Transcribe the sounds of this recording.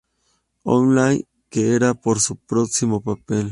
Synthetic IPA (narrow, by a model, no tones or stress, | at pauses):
o̰nlaj | keeɾapoɾsupɾoksimopapel